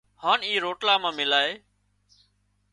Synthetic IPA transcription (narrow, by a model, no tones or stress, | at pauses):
haːniːɾoːʈlaːmãːmɪlaːɦeː